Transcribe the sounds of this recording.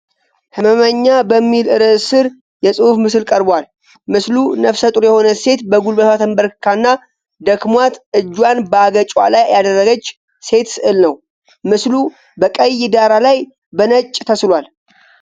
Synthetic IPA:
hɨməməɲːabəmːilɨɾɨsɨɾ | jɛsʼɨhufmɨsɨlkʼəɾbwal | mɨslunəfsət̪ʼɾjɛho̞nəse̞t̪bəɡulbəsat̪ʰəmbəɾkʰanːa | d̪əkmwat̪ɨd͡ʒːwanbəaɡət͡ʃʼwa̰lajːad̪ərːəɡət͡ʃː | se̞t̪sɨʔɨlnəw | mɨslu | bəkʼəjːɪd̪aɾalaj | bənət͡ʃʼːt̪ʰəslwal

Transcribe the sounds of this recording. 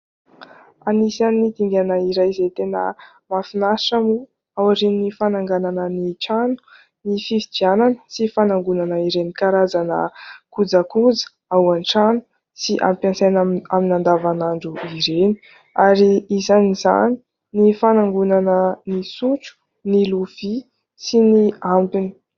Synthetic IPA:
anisannid̪iŋɡʲanəiɾajzet̪enə̰ | mafinaʂamu | awaʈ͡ʂininifanaŋɡananəniʈ͡ʂanu̥ | nifivibiananə̥sifanaŋɡunanəiɾenikaɾazanə̰kud͡zakud͡zə̥ | awanʈ͡ʂanu̥ | siʔa̰mpjansanaaminand̪avanaɳɖ͡ʐuiɾeni̥ | aɾiizaniza̰ni̥ | nifanaŋɡunanənisuʈ͡ʂu̥ | niluv̥i | siniampini̥

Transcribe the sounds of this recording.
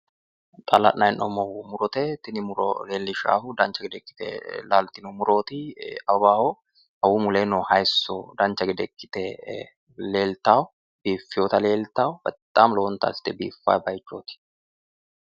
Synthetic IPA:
t̪ʼɐlɐ̰ʔnɐɪnʔɔmɔwʊmʊɾɔt̪ɛt̪ɪnɪmʊɾɔ̰leːlːɪʃa̰ːhʊd̪ɐnt͡ʃːɐɡɛd̪ɛkʼːɪ̥t̪ɛ̰laːlt̪ːɪnɔmʊɾo̞ːt̪ɪɐbaːhɔ | ɐwumʊleːnɔhɐjsːod̪ɐnt͡ʃːɐɡɛd̪ɛkʼːɪ̥t̪ɛ | le̞ːlt̪aːwʊ | biːfːɪjoːt̪ɐle̞ːlt̪aːwʊb̥ɐt̪ʼːaːmloːnt̪ɐ̰ːst̪ːɛbḭːfːa̰ːjbɐjt͡ʃːoːt̪ɪ̥

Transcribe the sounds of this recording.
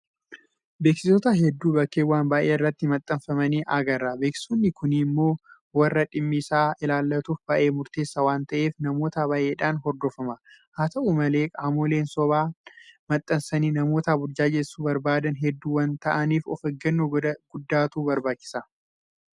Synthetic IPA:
beːksɪsɔt̪ɐɦɛd̪ːuːbɐkːeːwaːnbaːʔeːɪrːɐt̪ːɪmɐt̪ʼːɐnfɐmɐniːʔɐɡɐrːɐbe̞ːksɪ̥sonːɪkʊnɪmːo̞ː | wɐrːɐᶑɪmːɪsaːɪlaːlːɐt̪uːfbaːʔe̞ːmʊɾt̪e̞ːsːɐwaːnt̪ɐʔe̞ːfnɐmo̞ːt̪abaːʔe̞ːᶑaːnɦɔɾd̪ɔfɐmɐ | hat̪ɐʔumɐleːkʼaːmoːle̞ːnsɔβaːmɐt̪ʼːɐnsɐniːnɐmo̞ːt̪abʊɾd͡ʒaːd͡ʒɛsːuːbɐɾbaːd̪ɐnɦɛd̪ːuːwɐnt̪ɐʔɐniːfɔ̰fɐɡɐnːoɡ̥ʊd̪ːaːt̪uːbɐɾbaːt͡ʃːɪ̥sɐ

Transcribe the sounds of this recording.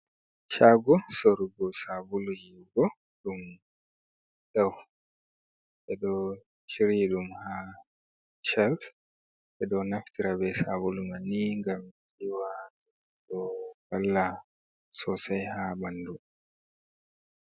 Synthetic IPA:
ʃaɡɔsoɾuɡɔsabulujiɡɔ | ɗum | ɗaw | ʔɛɗɔ | ʃiɾiɗumha | ʃɛlf | ʔɛɗɔnaftiɾabɛsabulumaniŋɡamtiwat | ɗɔbalːa | sɔsajhabandu

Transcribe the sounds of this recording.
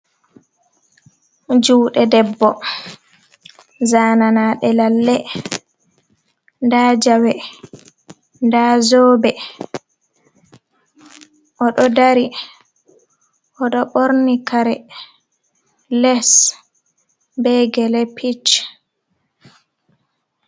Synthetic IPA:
d͡ʒuːɗɛdɛbːɔ | zaːnanaːɗɛlalːɛ | ndad͡ʒawɛ | ndazobɛ | ʔɔɗɔdaɾi | ʔɔɗɔɓoɾnikaɾɛ | lɛs | bɛɡɛlɛpʰit͡ʃ

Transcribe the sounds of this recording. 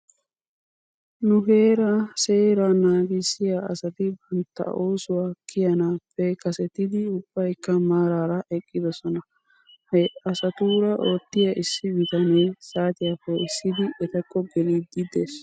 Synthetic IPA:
nʊɦe̞ːɾase̞ːɾaːnaːɡɪsːɪjaɐ̰sɐt̪ɪbɐnt̪ːɐ̰ʔoːsʊwaːkʰɪjɐnaːpːɛkɐsɛt̪ɪd̪ɪʊb̥ːɐjkːɐmaːɾaːɾɐʔɛkʼːɪd̪ɔsɔnɐ | hɐɐsɐt̪uːɾɐʔo̞ːt̪ːɪjɐʔɪsːɪbɪt̪ɐneːsaːt̪ɪjakːɔɪsːɪd̪ɪʔɛt̪ɐkːɔɡɛliːd̪ːɪd̪eːs

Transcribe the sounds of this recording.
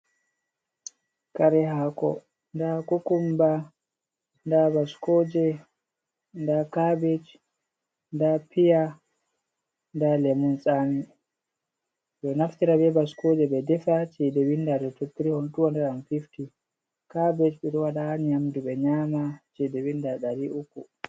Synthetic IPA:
kaɾɛɦakɔ̰ | ndakukumba | ndabaskoːd͡ʒɛ | ndakabɛt͡ʃ | ndapʰija | ndalɛmunsʼani | ɓɛnaftiɾabɛbaskod͡ʒɛɓɛdɛfat͡ʃɛdɛwindadɔtotːiɾihɔntuwɔndɛɾamfifti | kabɛt͡ʃɓɛɾɔwaɗanijamduɓɛɲamat͡ʃɛdɛwindaɗaɾiʔuku

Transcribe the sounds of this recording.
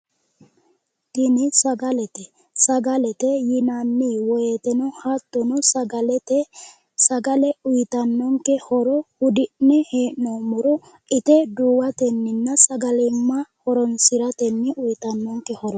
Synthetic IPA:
t̪ɪnɪsɐɡɐlɛt̪ɛ | sɐɡɐlɛt̪ɛjɪnanːiwɔjet̪ɛnɔhat̪ːɔnɔsɐɐlɛt | sɐɡɐlɛʊjɪt̪ɐnːɔŋkɛhɔɾɔhʊd̪ɪʔnɛheːʔnomʊɾɔ | ɪt̪ɛd̪uːwɐt̪ɛnːɪnːɐsɐɡɐlɪmːɐhɔɾɔnsɪɾɐt̪ɛnːɪʔʊjɪt̪ɐnːɔŋkɛhɔɾɔ

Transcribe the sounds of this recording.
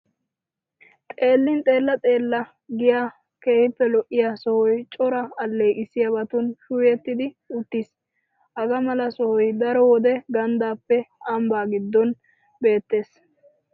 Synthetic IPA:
t̪ʼe̞ːlːɪnt̪ʼe̞ːlːɐt̪ʼeːlːɐ | ɡɪjaː | ke̞ːhɪpːɛlɔʔːɪjasɔhɔjt͡ʃʼɔɾɐːlːejʔɪsːɪjabɐt̪ʊnʃʊːjɛt̪ːɪd̪ɪ | ʊt̪ːis | hɐɡɐmɐlɐsɔhɔjd̪ɐɾɔwɔd̪ɛɡɐnd̪aːpːɛʔɐmbaːɡɪd̪ːɔn | be̞ːt̪ːe̞ːs

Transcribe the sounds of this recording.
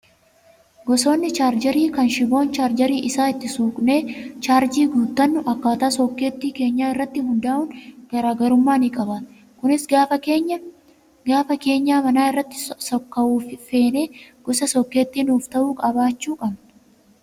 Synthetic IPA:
ɡɔso̞ːnːɪt͡ʃaːɾd͡ʒɐɾiːkɐnʃɪbo̞ːnt͡ʃaːɾd͡ʒɐɾiːʔɪsaːɪt̪ːɪsuːkʼne̞ːt͡ʃaːɾd͡ʒiːɡuːt̪ːɐnːʊʔɐkːaːt̪aːsɔkːe̞ːt̪ːiːke̞ːɲːaːɪrːɐt̪ːɪɦʊnd̪aːʔʊnɡ̥ɐɾaːɡɐɾʊmːaːnikʼɐbaːt̪ | kʊnɪsɡaːfɐeɲːɐ | ɡaːfɐke̞ːɲːaːmɐnaːɪrːɐt̪ːɪ̥sɔkːɐʔuːfɪfe̞ːne̞ːɡ̥ɔsɐsɔkːe̞ːt̪ːiːnuːft̪ɐʔuːkʼɐbaːt͡ʃːuːkʼɐn

